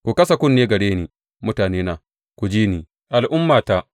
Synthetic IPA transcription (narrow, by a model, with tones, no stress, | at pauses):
kʷu˨kɐ˦sa˨kʷʊ˦nːeː˦ɡɐ˨ɽeː˦niː˨ | mʊ˦taː˨neː˦naː˨ | kʷu˨d͡ʒiː˦niː˨ | ʔa˨lʔʊ˦mːaː˨ta˦